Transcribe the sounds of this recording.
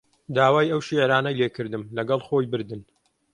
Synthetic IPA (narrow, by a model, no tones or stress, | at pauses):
d̪aːwaːjɐwʃiʕɾaːnɐjlekɨɾd̪ɨmlɐɡɐlˠxo̞jbɨɾd̪ɨn